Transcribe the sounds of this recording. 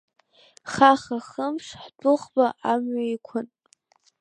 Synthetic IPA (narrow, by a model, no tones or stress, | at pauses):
χaχaχəmpʰʂħdʼʊχbaʔamɥaikʷʰʊn